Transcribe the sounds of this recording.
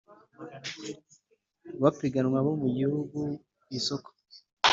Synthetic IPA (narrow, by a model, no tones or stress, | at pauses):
βapiɡanwaβomuɟihuɡu | isoko̥